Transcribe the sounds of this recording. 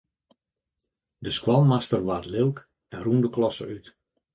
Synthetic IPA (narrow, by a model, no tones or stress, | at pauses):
dəskwɔlˠmastərʋarlɪlˠk | ɛnrundəklɔsə̰yt